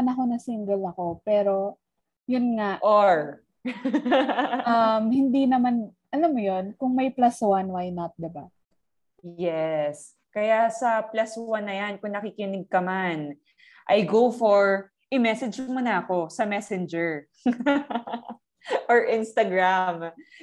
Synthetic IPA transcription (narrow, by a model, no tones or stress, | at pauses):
ɐnɐko̞nɐsiŋɡɛlɐko̞pɛːɾo̞ | jʊnŋaʔʔoɹ | ʔamhɪnd̪inɐman | ʔɐlamːojonkʊŋmɐjplaswanwajnɐt̪̚d̪ɛba | jɛs | kɐjasɐplaswanːɐjankʊŋnɐkikɪnɪɡ̚kɐman | ʔɐjɡowfoɹ | ʔɪmɛsɛd͡ʒmonɐɐko̞sɐmɛsɛnd͡ʒɛɹ | ʔoɹʔɪnst̪ɐɡɹam